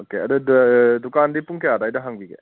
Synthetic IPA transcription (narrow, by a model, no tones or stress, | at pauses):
okeɐdɯdukandipuŋkejad̪ajdɐɦaŋbiɡḛ